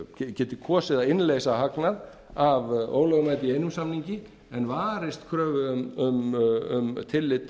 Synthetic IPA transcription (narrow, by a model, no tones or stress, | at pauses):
cɛːt̪ɪkʰɔːsɪðaɪnleːjsaɦaknað | avo̰ːwlɔɣmajt̪ɪiejnʏmsamniɲcɪ | ɛnvaːɾɪst̪kʰɾœːvʏʏmʏmʏmt̪ʰɪlːɪt̪